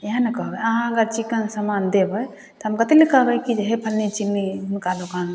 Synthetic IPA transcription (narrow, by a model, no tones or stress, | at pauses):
jɦãnɐkəɦbeəɦãɐɡəɾt͡ʃikənsəmand̪ebəj | t̪ɔɦəmkət̪elikəɦbɛkid͡ʒɦepʰəlnit͡ʃinːiɦʊnkad̪okaːn